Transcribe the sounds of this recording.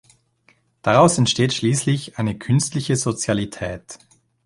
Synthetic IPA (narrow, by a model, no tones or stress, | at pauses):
d̥aʁaʊsɛntʃteːtʃliːslɪçʔaɪnəkʰʏnstlɪçəzot͡sjalitʰɛːt